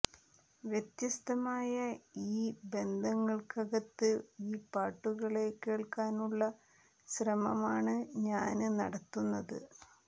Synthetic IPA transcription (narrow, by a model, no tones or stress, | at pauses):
ʋjet̪jɐst̪ɐmaːjɐiːbe̞nd̪ʱɐŋːɐɭkɐɣɐt̪ːɨiːpaːʈːuɣɐɭe̞ke̞ːɭkaːnuɭːɐ | ɕrɐmɐmaːɳɨɲaːnnɐ̰ɽɐt̪ːunːɐðɨ̰